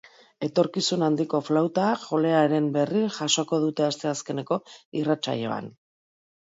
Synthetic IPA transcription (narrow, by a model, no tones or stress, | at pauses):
e̞t̪o̞ɾkisunand̪iko̞flawt̪aʝo̞le̞aɾe̞mbe̞riʝaʃo̞ko̞ð̞ut̪e̞ast̪e̞aske̞ne̞ko̞irat͡ʃa̰jo̞̰a̰n